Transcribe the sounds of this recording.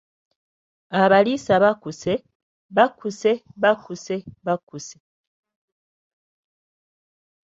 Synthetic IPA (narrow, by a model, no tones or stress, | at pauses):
aβalisaβakuse | βakuse̞βakuse̞βakuse